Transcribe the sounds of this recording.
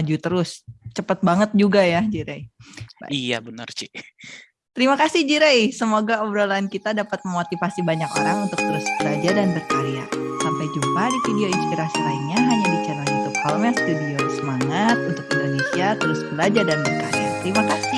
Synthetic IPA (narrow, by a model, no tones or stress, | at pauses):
ad͡ʒut̪əɾʊst͡ʃəpət̪̚baŋət̪̚d͡ʒuɡajad͡ʒiɾejba̰ija̰bənərt͡ʃi | t̪əɾimakasɪhd͡ʒiɾejsəmoɡaəbəɾolaːnkit̪adapat̪̚məmot̪ifasibaɲako̰ɾaŋunt̪ʊk̚t̪əɾʊsbəlad͡ʒadanbərkaɾia̰sampajd͡ʒumpadifideoinspiɾasilainɲaaɲabit͡ʃalajunt̪ʊk̚hɔlmasfidiosəmaŋat̪̚unt̪ʊkindonesiat̪əɾʊskəlad͡ʒadanbərkaɾja̰t̪əɾimakasɪ